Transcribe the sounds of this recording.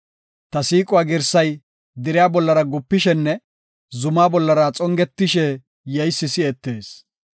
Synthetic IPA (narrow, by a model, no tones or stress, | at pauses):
t̪ɐsiːkʼʊwaːɡɪɾsɐj | d̪ɪɾɪjaːbɔlːɐɾɐɡʊpːɪʃɛnːɛ | zʊmaːbɔlːɐɾat͡sʼɔŋɡɛt̪ːɪʃɛ | jɛjsːɪsɪɛt̪ːeːs